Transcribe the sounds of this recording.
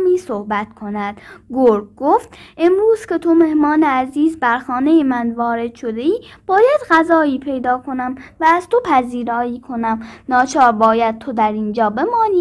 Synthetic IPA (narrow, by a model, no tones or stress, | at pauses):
miːsohbæt̪kʰo̞næd̪̥ɡoɾɡoft̪ʔemɾuːz̥kʲʰe̞t̪ʰo̞me̞hmɒːneæziːzbæɾxɒːne̞jemænvɒːɾe̞d̪̥ʃo̞d̪e̞iːb̥ɒːjæd̪ɢæzɒːiːpʰe̞jd̪ɒːkʰo̞næmvæːz̥t̪ʰo̞pʰæziːɾɒːiːkʰo̞næmnɒːt͡ʃʰɒːɾbɒːjæd̪̚t̪ʰo̞d̪æɾind͡ʒɒːbe̞mɒːniː